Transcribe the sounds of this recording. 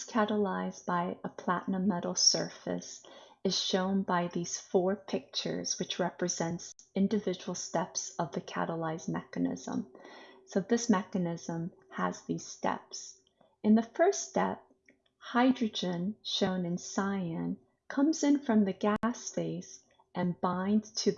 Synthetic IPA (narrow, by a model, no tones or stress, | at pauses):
kʰæɾəlaɪzbaɪəpʰl̥æʔnəmɛɾl̩ˠsɜ̰˞fɨ̰s | ɨz̥ʃõʊ̃nbaɪðiz̥fɔɹpʰɪk̚t͡ʃə̰˞z̥wɨt͡ʃɹɛpɹɨzɛ̃ntsɪ̃ndɨvɪd͡ʒəwl̩ˠstɛpsʌvðɨkʰæ̰ɾəlaɪzmɛ̰kɨnɪ̰z̥ə̰̃msoʊðɪsmɛkɨnɪzə̃m | ə̰zðiz̥stɛ̰ps | ɨ̃nðɨfɜ˞stɛp̚ | haɪdɹɨd͡ʒɨ̃nʃõʊ̃nɨ̃nsaɪɨ̃n | kʰʌ̃mzɨ̃nfɹʌ̃mðɨɡæsfeɪs | ʔɨ̃nbãɪ̃ndz̥tʰɨ